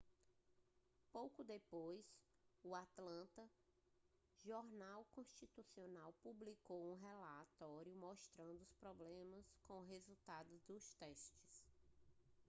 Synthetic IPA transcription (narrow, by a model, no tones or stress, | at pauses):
powkʊd̪epojs | uat̪lɐ̃nt̪ɐ | ʒɔɾnawkõst͡ʃit̪usionawpublikowũɦɛlat̪ɔɾjʊmɔʃt̪ɾɐ̃nd̪ʊʊspɾɔblẽmɐskõɦezut̪ad̪ʊzd̪ʊst̪ɛʃt͡ʃɪ̥s